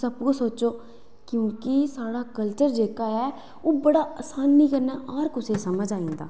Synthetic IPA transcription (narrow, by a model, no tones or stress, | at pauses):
səbkosoːt͡ʃoː | kjõːkɪsaːɽaːkəlt͡ʃəɾd͡ʒeːkaːɛː | oːbəɽaːəsaːnːĩːkəɾnaːəɾkʊseːsəməd͡ʒaːĩːnd̪a̰ː